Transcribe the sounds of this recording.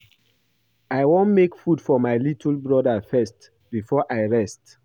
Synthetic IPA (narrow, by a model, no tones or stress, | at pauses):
aɪwõnmekfudfɔmaɪlitʰlbɹɔdəfɛst | b̥ifɔʔaɪɹɛst